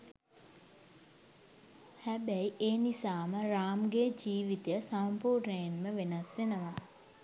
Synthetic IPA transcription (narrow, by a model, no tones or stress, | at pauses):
hæbɛiʔeːnisaːməɾaːmɡed͡ʒiːʋit̪ejəsampuːrnəjanməʋenasʋenəʋa